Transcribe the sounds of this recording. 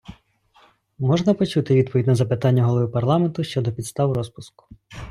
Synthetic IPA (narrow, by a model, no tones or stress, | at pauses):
mɔʒnɐpɔt͡ʃut̪ɪʋʲid̪̚pʰɔʋʲidʲnɐzɐpɪt̪ɑnʲːɐɦɔlˠɔʋɪpɐrlˠɑment̪ʊʃt͡ʃɔd̪ɔpʲid̪st̪ɑʋɾɔspʊskʊ̥